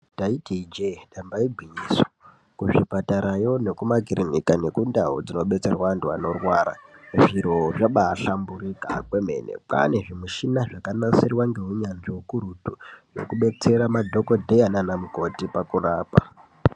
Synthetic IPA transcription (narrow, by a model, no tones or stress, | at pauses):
taitid͡ʒeɗambaibʱwiɲiːso̥ | kuʐipataɾajo̞ne̞kumaɡʱiɾinikane̞kundaɦo̰d͡zino̞ɓe̞t͡se̞rwanduwa̰no̞rwaːɾa̰ʐiɾo̞ʐaɓaːɬamburika̰kwe̞me̞̰ne̞̰pa̰ne̞ʐimuʃinaʐakanasirwaŋɡe̞ɦuɲanʐiukuɾutujo̰kuɓe̞t͡se̞ɾamadʱo̞ko̞dʱejananamuko̞tipakuraːpa̰